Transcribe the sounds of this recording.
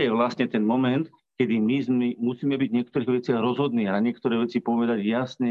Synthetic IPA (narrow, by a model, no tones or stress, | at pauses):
jɛʋlasɲɛt̪ɛnmɔmɛnt̪ | kɛd̪imizmimusiːmɛbiɟɲɪɛkt̪ɔɾiːɣʋɛt͡sɪaɣɾɔzɦɔd̪niːaɲɪɛkt̪ɔɾɛːʋɛt͡sipɔʋɛd̪aɟjasɲɛ